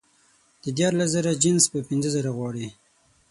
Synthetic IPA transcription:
d̪̥əd̪jɑɾlazəɾad͡ʒɪnspəpɪnzəzəɾaɣwɑɽi

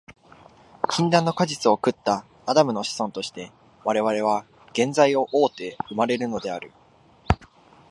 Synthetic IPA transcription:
kʲʰĩnd̪ãnːo̞kaʑit͡sɨo̞kɯ̟t̪ːaː | d̪amɯ̟no̞ɕi̥sõ̞nt̪o̞ɕi̥t̪e̞ | βaɾe̞βaɾe̞β̞a | ɡ̥ẽ̞nzaio̞ʔoːt̪e̞ɯ̟maɾe̞ɾɯ̟no̞d̪e̞aɾɯ̟

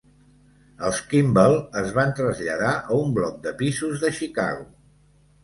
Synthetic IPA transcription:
əlˠskimbəlˠəzβant̪ɾəzʎəðaʔəumblɔk̚d̪əpizuzðəʃika̰ɣu

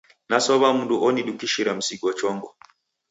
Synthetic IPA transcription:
nasɔβam̩nduʔɔniɗukiʃiɾam̩siɡɔt͡ʃɔŋɡɔ

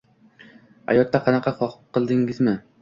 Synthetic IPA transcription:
ha̰jɒt̪ːaqʰɑnɑqʰɑχɒqqʰːɨlˠd̪ɪŋɪzmɪ

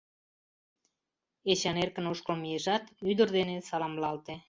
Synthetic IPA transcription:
et͡ɕɑnerkə̆noʃkəlmijeʒɑt̪yd̪ərd̪enesɑlɑmlɑlt̪e

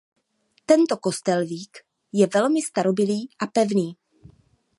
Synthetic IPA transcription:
t̪ɛnt̪o̞ko̞st̪ɛlviːk | jɛvɛlmɪst̪aɾo̞bɪliːʔapɛvniː

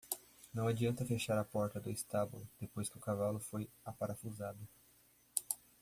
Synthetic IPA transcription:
nɐ̃w̃ad͡ʒiɐ̃nt̪ɐfeʃaɾɐpɔɾt̪ɐd̪ʊist̪abṵlʊd̪̥epojskɪʊkavalʊfoj | apaɾafuzad̪ʊ

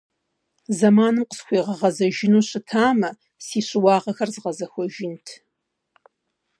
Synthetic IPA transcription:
zɐmaːnɨmqə̥sxʷiːʁɐʁɐzɐʒɪnuːɕɪtʰaːmɐ | siːɕʼɪwɑːʁɐxɐrzɨʁɐzɐxʷɔʒɪntʰ

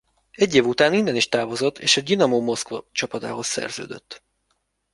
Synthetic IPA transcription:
ɛɟːeːvut̪aːnind̪ɛniʃt̪aːvo̞zo̞t̪ʰːeːʃɛdinɒmoːmo̞skvɒt͡ʃɒpɒd̪a̰ːɦo̞sːɛ̰rzø̰ːd̪øt̪ː

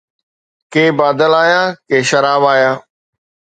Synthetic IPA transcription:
keːbaːd̪əlaːjaːkeːʃɐɾaːʋaːjaː

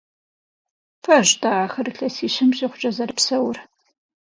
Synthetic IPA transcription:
pʰɐʑtʼaaːxɐrɨɬɐsiːɕɪmɕiːχʷʊt͡ʃʼɐzɐɾɨpsɐwr

